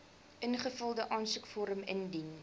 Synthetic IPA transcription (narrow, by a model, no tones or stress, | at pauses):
ʔənχəfəlˠdəʔɑːnsukfɔɾəməndin